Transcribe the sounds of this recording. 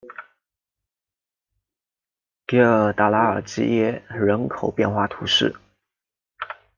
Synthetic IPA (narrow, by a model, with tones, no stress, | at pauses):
ki˧˥ə˨˧˩t̪a˨˩la˧˥ə̰˞˨˩t͡ɕḭ˥jɛ˥˩ɻə˧˥nkʰo˨˩ʊpjɛ˥˧nxwa˥˩t̪ʰu˧˥ʂɻ̩˥˩